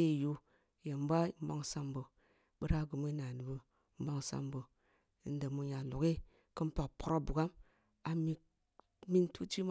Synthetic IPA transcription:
e˦˨ju˧ | je˨m˦ba˦˨˦m̩˦ba˦ŋ˨sa˦mbo˨ | ɓə˦ɾa˦ɡu˨mi˦na˨nɨ˨bə˨ | m̩˦ba˦ŋsa̰˧˦mbo˨ | n̩˦də˨mu˧ɲa˨lo˨ke˦ | kɨ˦m˦pa˨kpo˦ɾo˦bu˨ɡa˦m | a˨mi˧ | mi˦ntu˦t͡ʃi˦m˦

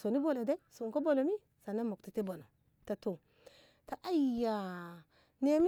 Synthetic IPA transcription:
so˨ni˦bo˦˨lo˨de˦so˨ko˦bo˦lo˨mi˦ | sa˨na˦mo˨k̚ti˨te˦bo˨no˨ | ta˨to˨ | ta˨ʔa˦˨ja˨ | ne˦mi˦

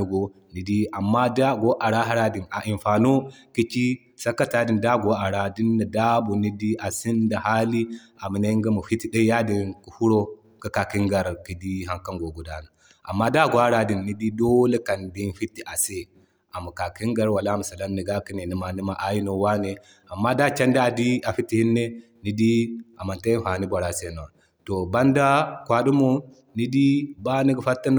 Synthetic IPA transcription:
u˦ɡo˦ni˨di˦ʔa˨mːa˦da˦ɡʷo˦ʔa˨ɾa˦ɦa˦ɾa˦di˨na˨ʔi˨mɸa˨no˦ | ki˦t͡ʃi˦ | sɐ˦ka˦ta˦di˦˨nda˦ɡo˦ʔa˨ɾa˨di˦nːa˨da˦bu˨ni˦di˦ʔa˨si˦nda˨ha˦li˦ | a˨mi˨na˦ŋɡa˦mu˨fi˦ti˦ɗa˦ja˦di˦nku˨hu˦ɾo˦ | ɡa˦ka˨ki˦ŋɡa˨ɾki˨di˦ɦa˨ŋka˦ŋɡo˨ɡu˨da˦na˨ | ʔa˨mːa˦da˦˨ɡʷa˦ɾa˨di˨nːi˦di˦do˦le˦ka˨ndi˦nfi˦tːi˦ʔa˨se˦ | a˨mu˨ka˨ki˦ŋɡa˦ɾwa˨la˦mu˨sa˨la˦mni˨ɡa˦ki˦ne˨ni˨˦ma˨ni˦ma˦ʔa˦ji˦no˨wa˦ne˨ | a˨mːa˦da˦t͡ʃa˦nda˦a˨di˦a˨fi˦tːi˨hi˦nːe˦ | ni˨di˦a˨ma˨nta˦i˦n˦fa˨ni˦ba˨ɾa˨se˦no˨a˨ | to˨ba˦nda˦kʷa˨du˦mo˦ | ni˦di˦ba˦ni˦ɡə˦fa˦tːa˦n˦

